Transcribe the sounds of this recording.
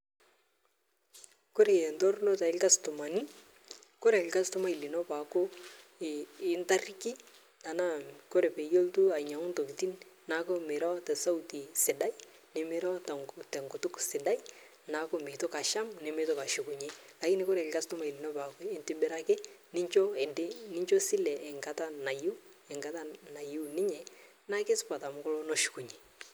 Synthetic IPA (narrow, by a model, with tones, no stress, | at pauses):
ko˦ɾe˨jɛ˨ntɔ˦rlɔ˦ta˨ɪ˦lka˦stʊ˨ma˨ni˦ | ko˦ɾɛ˨ɪ˨lka˦stʊ˦ma˦i˨li˨nɔ˦pa˨ko˦ | ɪ˦nta˦rki˦ | ta˨na˦ko˦ɾe˨pe˨jo˦ltu˦a˨ɲa˨ŋʊ˦nto˨kiti˦nna˨ko˦mɪ˨ɾa˦tɛ˨sa˦wti˨sɪ˨da˦j | nɪ˨mɪ˦ɾa˦ttɛ˨ŋkʊ˨tʊ˦ksɪ˨da˦ji˦ | na˨ko˦me˨to˦ka˨ʃa˦mnɪ˨me˦tɔ˦ka˨ʃu˨ku˨ɲe˦ka˨ki˦nɪ˦ko˦ɾɛ˨kɪ˨ka˦stɔ˦ma˨i˨li˨no˦pa˨ko˦ɪ˨ntɪ˦bɪ˦ɾa˦kɪ˦nɪ˦ɲt͡ʃo˦ɛ˨ndɪ˦nɪ˦ɲt͡ʃo˦sɪ˦lɛ˨ʔɛ˨ŋka˨˦ta˦na˨ju˦ | ɛ˨ŋka˦ta˦na˨ju˦nɪ˦ɲɛ˨ | na˦ke˦spa˨ta˨mʊ˦kʊ˦lo˦no˦ʃu̥˨ku˨ɲe˨